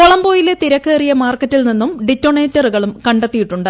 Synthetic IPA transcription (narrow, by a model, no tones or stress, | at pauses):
koɭɐmbo̞ːjilet̪iɾɐkːeːrijɐmaːrkːɐtːilninːumɖitːo̞ɳeːtːɐruɣɐɭumkɐɳɖet̪ːijiʈːuɳɖɨ